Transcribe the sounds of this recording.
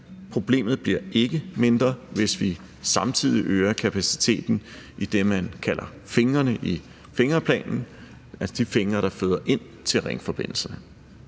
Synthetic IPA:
pʰʁo̝b̥le̝̰ːmð̞̩ˠb̥liɐ̰e̝ɡ̥əme̝nd̥ʁɐʋe̝sʋi | sɑ̈mt͡sʰið̞̰ˠiʔøːɐkʰæpʰæsi̥t͡sʰe̝̰ːd̥n̩id̥emænkʰælʔɐ | fe̝ŋɐnəʔi | fe̝ŋɐpʰlɛ̰ːnn̩ | æsɐd̥ife̝ŋɐɾ̥ɑ̈fø̰ːðˠɐʔe̝n̰ | t͡sʰe̝lʁeŋəfɒ̽b̥e̝n̰l̩sɐnə

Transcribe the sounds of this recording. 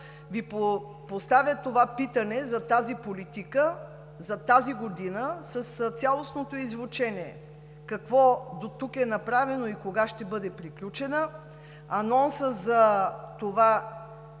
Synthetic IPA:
vipo | post̪avʲjət̪ovapit̪ənɛzɐt̪azipolit̪ikə | zɐt̪aziɡod̪inəsɐst̪sʲalˠosnot̪oizvʊt͡ʃɛniɛ̰ | kɐkvɔd̪ot̪ukɛnɐpɾavɛnoikoɡaʃt̪ɛbɤd̪ɛpɾiklʲut͡ʃɛnə | ɐnɔnsəzɐt̪ova

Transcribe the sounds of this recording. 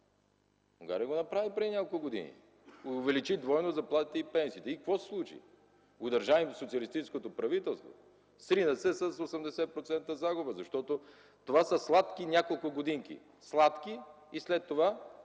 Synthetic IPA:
uŋɡa̰ɾiəɡonɐpɾavipɾɛd̪inʲɲʲjakolˠkolˠɡod̪ḭnḭ | ovɛlit͡ʃid̪vɔjnozɐplˠat̪it̪ɛipɛnsiːt̪ɛikvɔsɛ̥slˠut͡ʃḭ | ɡod̪ɐɾʒavimsot̪siəlist̪it͡ʃɛskot̪opɾɐvit̪ɛlˠst̪vo̰ | sɾinəsɛsɐsosɛmd̪ɛsɛpɾot̪sɛnt̪əzaɡʊbəzɐʃt̪ɔt̪o | t̪ovasəslˠat̪kʲinʲakolˠkʊɡod̪iŋkḭ | slˠat̪ki | islɛt̪ːova

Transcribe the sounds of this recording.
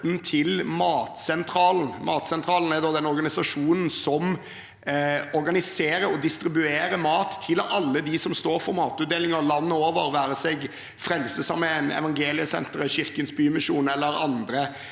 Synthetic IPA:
nt̪ʰɪlmɑːt̪sɛnt̪ʰɾɑːln̩mɑːt̪sɛnt̪ʰɾɑːln̩æd̪ɔd̪ɛnɔɾɡɑnɪsɑʂuːnn̩sɔm | ɔɾɡɑnɪseːɾəɔd̪ɪst̪ɾɪbʉeːɾəmɑːt̪ʰːɪlɑlːəd̪ɪsɔmst̪oːɾfɔɾmɑːt̪ʉt̪̚d̪eːlɪŋəɾlɑnːəoːʋəɾʋæːɾəsɛɡ | fɾɛlsəsɑmːəɛnɛ̰ʋɑŋɡeːlɪəsɛ̰nt̪əɾəɕɪɾkənsbyːmɪʃuːnɛlːəɾɑnd̪ɾə

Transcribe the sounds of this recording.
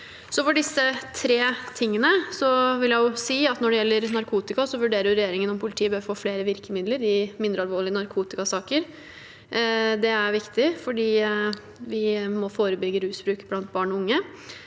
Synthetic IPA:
sɔfɔɖɪsːət̪ʰɾeːt̪ʰɪŋːənəsɔʋɪljæɪjʊsiːɑt̪nɔɖɛjɛlːəɾnɑɾkʰuːt̪ɪkɑsɔʋʉɖeːɾəjʊɾɛjeːɾɪŋənɔmpʰʊlɪt̪ʰiːbøːʋfoːfleːɾəʋɪɾkəmɪd̪ləɾɪmɪnd̪ɾəɑlʋoːɭɪənɑɾkʰuːt̪ɪkɑsɑːkəɾ | d̪ɛæɾʋɪkt̪ɪfɔɖiː | ʋɪmɔfoːɾəbʏɡəɾʉːsbɾʉːkblɑnt̪̚bɑːɳɔʊŋːə

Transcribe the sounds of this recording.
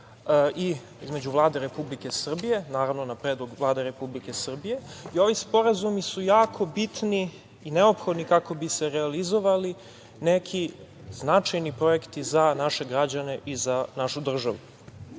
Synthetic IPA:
i | izme̞d͡ʑd͡ʒuvlˠaːd̪eɾepublike̞sr̩bije̞naːɾavnonapɾeːd̪lˠoɡvlˠaːd̪eɾe̞publike̞sr̩bije̞io̞ʋispo̞ɾazumisujaːkʰo̞bit̪niː | neo̞pxod̪nikako̞bise̞ɾealizo̞ʋali | nekʰi | znat͡ʃajnipɾo̞jekt̪izanaʃe̞ɡɾad͡ʑane̞ʔizanaʃud̪r̩ʒaʋu

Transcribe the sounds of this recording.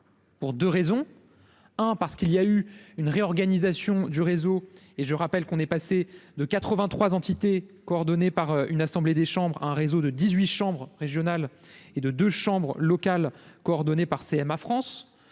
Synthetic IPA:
puʁd̪øʁezɔ̃ | ɛ̃paʁsə̥kiljayynʁeɔʁɡanizasjɔ̃d̪yʁezo | eʒəʁapɛlkɔ̃nɛpased̪əkat̪χəvɛ̃t̪χwazɑ̃t̪it̪ekɔːʁd̪ɔnepaʁøynasɑ̃bled̪eʃɑ̃bʁaɛ̃ʁezod̪əd̪izɥiʃɑ̃bʁʁeʒjɔnaled̪əd̪øʃɑ̃bʁəlɔkalkɔːʁd̪ɔnepaʁseɛmafχɑ̃s

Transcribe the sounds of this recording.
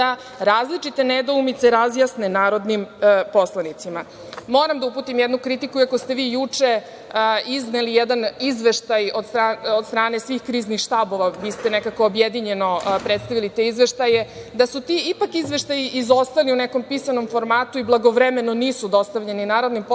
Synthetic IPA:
d̪a | ɾaːzlit͡ʂit̪e̞ned̪oumit̪seɾazjasnenaːɾo̞d̪nimpo̞slˠanit̪sima | mo̞ːɾamd̪auput̪imjɛd̪nukɾit̪ikuiakost̪e̞ʋiːjut͡ʂe̞ | iznelijed̪anizʋe̞ʃt̪ajo̞d̪st̪ɾaːod̪st̪ɾaːnesʋiːxkɾiːznixʃt̪aːbo̞ʋabist̪ene̞kakoːbjed̪iɲe̞no̞pɾet̪st̪aʋilit̪e̞izʋe̞ʃt̪ajed̪asut̪iipakizʋe̞ʃt̪ajiizo̞st̪aliuneko̞mpisano̞mfo̞ɾmaːt̪uiblˠaɡo̞ʋɾeme̞noniːsud̪o̞st̪aʋʎeninaːɾo̞d̪nimp

